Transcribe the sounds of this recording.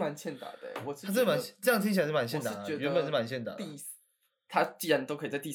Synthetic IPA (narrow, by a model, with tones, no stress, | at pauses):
ma˧˦nt͡ɕʰjɛ˥˩nt̪a̰˨˩d̪ə̰˨wɔ˨˩ʂʰa˥t͡sma˧˦ʈ͡ʂjɑ˥ŋt̪ʰĩ˥ŋt͡ɕi˨˥ʂ̩˥˩ma˧˦nɕʰjɛ˥˩nt̪a̰˨˥˨ɛ˧ɥɛ˧˦npə˨nʂ̩˥˩ma˧˦nɕʰjɛ˥˩nt̪a̰˨˩i˥˧ | t̪ʰa˦˥t͡ɕi˥˩ɻa˧˦nt̪o˥ʊkʰt͡sa˧˩t̪i˥˧˩